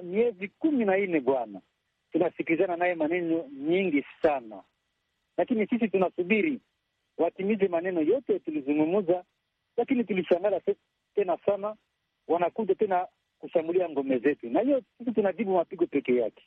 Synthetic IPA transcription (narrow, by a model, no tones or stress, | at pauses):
miɛzikuminainɛbwana | tunasikilizananajemanɛnɔɲiŋɡisana | lakinisis̬itunasubiɾi | watimizɛmanɛnɔjɔtɛtulizuŋɡumuza | lakinituliʃaŋɡala | tɛnasana | wanakuzatɛna | kuʃambuliaŋɡɔmɛzetunaijɔsis̬itunazibumapiɡɔpɛkɛjake̥